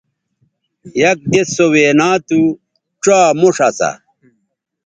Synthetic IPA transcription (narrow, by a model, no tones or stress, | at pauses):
jɐk̚d̪esoweːnaːt̪u | ʈ͡ʂwaːmoʂɐsa̰